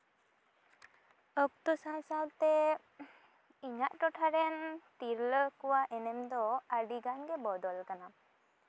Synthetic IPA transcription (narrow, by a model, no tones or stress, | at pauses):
ɔk̚t̪usãnsalt̪ɛ | iɲaʔʈɔʈʰaɾɛnt̪iɾləkɔwaʔɛnɛmd̪ɔaɖiɡanɡɛbɔd̪ɔlkana